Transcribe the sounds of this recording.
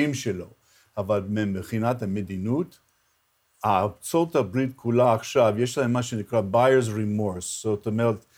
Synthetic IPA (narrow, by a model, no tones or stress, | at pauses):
imʃelo̞̰ | avalmemeχinatamed̪inut | at͡sotabɾit̪kʰulaːχʃavjeʃlaɦemːaʃenikʁabajəzɹimoɹsz̥otomeʁet̪